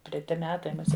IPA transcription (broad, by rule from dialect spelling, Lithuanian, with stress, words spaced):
tʲrʲɛˈtʲɪ ˈmʲæːtɐɪ mʊˈsʲiɛ